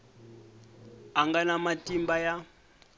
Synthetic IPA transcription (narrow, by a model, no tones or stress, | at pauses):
aŋɡanamatʼimbaja